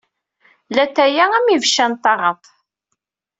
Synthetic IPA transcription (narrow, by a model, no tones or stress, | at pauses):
læθæjææmivʃænt̪ˤːɑʁɑt̪ˤ